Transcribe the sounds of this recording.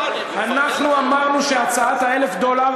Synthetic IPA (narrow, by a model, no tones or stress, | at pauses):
anaχnuamaʁnuʃeat͡saat̪hae̞le̞fd̪ola